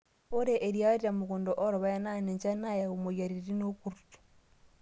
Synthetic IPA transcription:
o˦ɾe˦ʔe˨ɾja˦ɾiɾa˨mo˨ɣo˨ndoʔo˦ɾo˨βa˦ja˦na˦ne˨ɲt͡ʃa˦na˦ja˨omoɣjaɾiɾeɾi˦no˦ku˨ɾutu̥

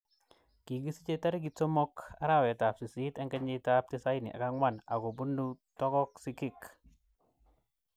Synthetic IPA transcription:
ki˨ɡi˦si˦t͡ʃe˦ta˦ɾi˦ɡ̬i˨to˦mɔ˦ka˦ɾa˦wɛ˨ta˨p̚si˨si˦ta˦ŋka˦ɲi˦ta˦p̚ti˦sa˦i˦nḭ˨ʔa̰˨ka˦ŋwa˦˨na˨ɡo˨bu˦nu˦tɔ˦kɔ˦ksikɪ˦k

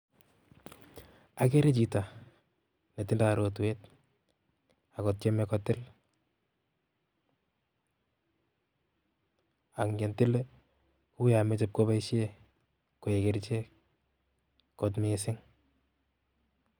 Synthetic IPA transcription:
a˨k̬e˦ɾe˦t͡ʃi˨ta˨ | ne˨tɪ˦nda˨ɾo˨t̬wet | a˨kɔ˨t̚t͡ʃe˦mɛkɔtɪ˦l | a˨kŋɡɛ˨ntɪ˦le˦ | ku˦ja˨me˦t͡ʃɛ˦p̚ko˦ba˦iʃe˦ | ko˨e˨kɪ˨ɾt͡ʃe˦ | kotmesɪ˦ŋ

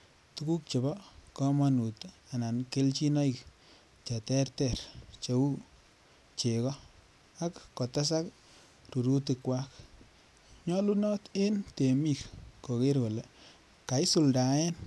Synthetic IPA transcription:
tuku˦k̚t͡ʃe˨bɔ˦kɔma˦nu˨ta˨na˨nke˦lt͡ʃi˦no˦i˨k | t͡ʃa˨tɛ˦rtɛ˨rt͡ʃe˨u˦ | t͡ʃe˨kɔ˦ | a˦kːo˨ta˦s̬a˦k | ru˨ɾu˦t̬i˧kwa˦k | ɲɔ˦lu˦nɔ˦te˦nte˨mi˦kko˨ke˦ɾko˨le˨ | ka˨i˦su˨lda˨ɛ˦n

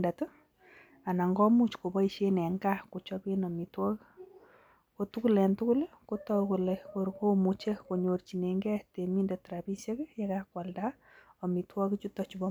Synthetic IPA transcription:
da˨tʊ˦ | a˨na˨ŋɡɔ˦mu˦t͡ʃko˨bɔ˦i˨ʃe˦nɛ˨ŋɡa˦ko˨t͡ʃɔ˦bi˦nɔ˨mi˨twɔ˦k | ko˨tu˦ku˦lɛ˨ntu˦kʊ˦lko˦tɔ˦ku˨lɛko˨ɾko˦mu˨t͡ʃe˦ko˨ɲo˨rt͡ʃi˨nɛ˨ŋɡɛ˦te˨mi˦nda˨tɾa˨bi˦se˦kja˦ka˦kwa˨lda˦ | ɔ˨mi˨twɔ˦kt͡ʃu˦tɔ˨t͡ʃu˨bɔ˦

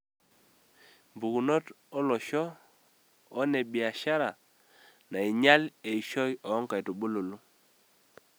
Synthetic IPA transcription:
mbu˨ku˨nɔ˦t | ɔ˦lɔ˨ʃɔ˦ | nɛ˨ɓi˨a˨ʃa˦ɾa˨ | na˨i˨ɲa˦le˨i˨ʃɔ˦jɔː˨˦ŋka˨jto˨ɓo˦lo˨lu˦

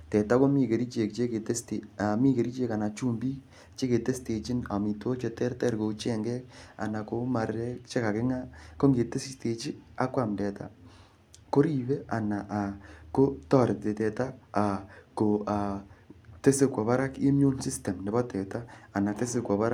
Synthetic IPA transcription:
tɛ˨ta˦ko˦mi˦˨ke˨ɾi˦t͡ʃe˨kt͡ʃe˦ke˨te˦ste˨a˨mi˦ke˨ɾi˦t͡ʃe˦ka˨na˨t͡ʃu˦mbi˦ | t͡ʃe˦ke˨te˦ste˨t͡ʃi˦na˨mi˨two˦t͡ʃe˨tɛ˦rtɛ˦ɾko˨t͡ʃɛ˦˨ŋɡɛ˦k̚a̰˨na˨ko˦ma˨ɾɛ˦kt͡ʃe˦ka˨kɪ˦ŋa˦ko˦ŋɡe˨te˦si˦ste˨t͡ʃi˦a˦kwa˨mndɛ˨ta̰˦ | ko˦ɾi˦βɛ˦a̰˨na˨ʔa˨ko˦tɔ˦˨ɾɪ˨te˨tɛ˨ta˦a˨ko˨a˨te˦se˦kɔ˨βa˦ɾa˦ke˦mju˦nsi˦stɛ˨mnɛ˨bɔ˦tɛ˨taː˦˨na˨te˦se˨kwɔ˨βa˦ɾ

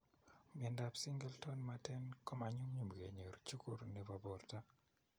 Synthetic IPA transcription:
mi˨ɛ˨nda˨psi˦ŋɡɛ˦ltɔ˦nmatɛ˦nkɔ˦ma˨ɲu˦mɲu˨mɡḛ˨ɲe˨ɾt͡ʃu˦ku˦ɾni˨va˨bɔ˨rta˦

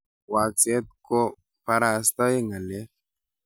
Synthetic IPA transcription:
wa˨t͡se˦t̪̚ko˦ | pa˧ɾa˨st̪a˦e˦ŋa˨lɛ˦

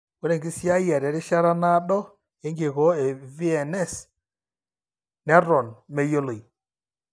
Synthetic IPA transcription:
o˨˦ɾe˨ŋɡi˦si˦a˦jɛ˨ɾɛ˨ɾɪ˦ʃa˦ɾa˦na˦ɗɔ˦ | e˨˦ŋɡe˨ɣɔ˨˦e˨vi˦ɛ˨nɛ˦˨s | nɛ˦ɾɔ˨nme˨jo˦lo˨i˨

